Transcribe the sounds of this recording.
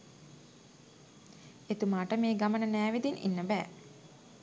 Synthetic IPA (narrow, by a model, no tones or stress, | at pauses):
et̪umaːʈəmeːɡamənənæːʋid̪inʔḭnːəbæː